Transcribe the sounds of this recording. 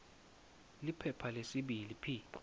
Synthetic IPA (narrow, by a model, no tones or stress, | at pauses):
lipʰɛpʰalesiɓilipʰiː